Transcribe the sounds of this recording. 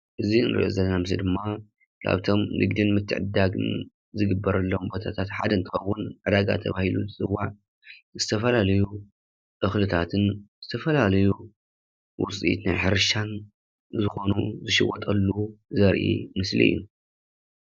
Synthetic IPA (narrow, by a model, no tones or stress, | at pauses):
ʔɨziɨnɾɨʔo̰zɐlːɐnamɨs̬lḭd̪ɨmːa | kʰa̰βt̪ʰo̞mnʔɨ̰ɡd̪inmɨt̪ʰːɨ̰ʕɨd̪aɡɨ̰n | zɨɡɨbːɐɾɐlːombo̞t̪ʰat̪ʰat̪ħad̪ɐnt̪ʰɨxɐwːʊnʕɨd̪aɡa̰t̪ʰɐβahiluzɨt͡sʼɨwːaʕ | zɨt̪ʰɐfɐlalɐju | ʔɨxlɨt̪ʰat̪ʰɨnzɨt̪ʰɐfɐlalɐju | wʊt͡sʼḭt̪najħɨɾɨʃan | zɨxo̞nuzɨʃɪwɔt̪ʼɐlːuzɐɾʔḭmɨslḭʔɨ̰jːu